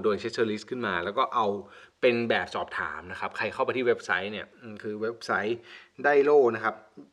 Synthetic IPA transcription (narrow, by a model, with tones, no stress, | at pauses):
doː˧jt͡ɕʰe˦˥sʰɤː˧li˦˥kʰɯ˥˩nmaː˧lɛː˦˥wkɔː˥˩ʔa˧wpe˧nbɛː˨˩p̚sɔː˨˩p̚t̪ʰa̰ː˩˦mna˦˥kʰa˦˥p̚kʰa˧jkʰa˥˩pa˧jt̪ʰi˥˩we˦˥p̚sa˦˥jni˥˩ɐʔɯː˧˩kʰɯː˧we˦˥p̚sa˦˥jdaː˥˩jloː˥˩k̚na˦˥kʰa˦˥p̚